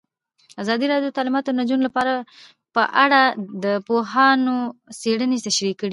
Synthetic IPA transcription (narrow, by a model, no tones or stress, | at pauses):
azɑd̪iɾɑdjot̪ɑlɪmɑt̪onad͡ʒunlapɑɾa | pəʔaɽad̪əpoɦɑnoseɽənet̪aʃɾikəɽi